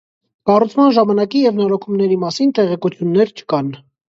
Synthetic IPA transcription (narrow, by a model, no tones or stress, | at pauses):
kɑrut͡sʰmɑnʒɑmɑnɑkijɛvnɔɾɔkʰumnɛɾimɑsint̪ɛʁɛkut͡sʰjunːɛɾt͡ʃʰə̥kɑn